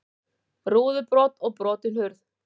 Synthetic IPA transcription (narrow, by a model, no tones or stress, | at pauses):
ruːðʏpɾɔːt̪ɔɣpɾɔːt̪ɪnhʏɾθ